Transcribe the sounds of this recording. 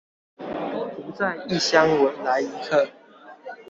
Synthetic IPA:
tu˨˦t͡sa˥˨ɪi˥˨ɕja˦ŋwə˨˦nla˨˧˦ɪi˧˦kʰə˥˨

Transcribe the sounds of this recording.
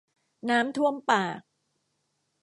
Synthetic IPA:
naː˦˥mt̪ʰu˥˩əmpaː˨˩k̚

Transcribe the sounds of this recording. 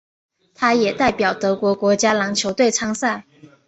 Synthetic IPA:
t̪ʰa˥jɛ˨˩t̪a˥˩ɪpjɑ˨˩ʊt̪ɤ˧˥kwɔ˧˥kwɔ˧˥t͡ɕja˥lɑ˧˥ŋt͡ɕʰjo˧˥ʊt̪we˥˩ɪʈ͡ʂʰɑ˥ŋsa˥˩n

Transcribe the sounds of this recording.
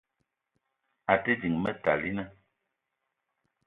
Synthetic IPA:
a˨te˦d͡ʒi˨ŋmə˦ta˨li˦nə˦

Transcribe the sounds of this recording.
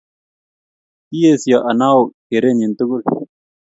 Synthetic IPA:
ijesijaʔɐ˨na˦o˨keɾe˦ni˨nt̪u˦ɡu˦l

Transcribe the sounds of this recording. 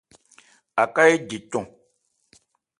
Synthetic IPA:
a˨ka˦je˦d͡ʒi˨tɔ̃˦˨

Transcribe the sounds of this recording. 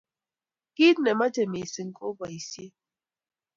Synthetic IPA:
ki˦dnɛ˨ma˦tɛ˨me˨si˨ŋ̩˨kʼɔ˦ba˨i˨sje˦

